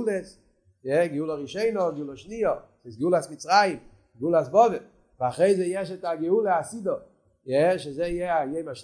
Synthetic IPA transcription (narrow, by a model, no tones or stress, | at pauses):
ules | jɛɡɪulˠɔʁiʃɔɪnɔɡɪulɔʃniɔseɪsɡulasmit͡sʁaim | ɡɪulasbɔvɛl | vaχʁeɪzejɛʃ̬ɛtaɡɛulˠeasidɔ | jɛʃɛzejeajeɪmaʃ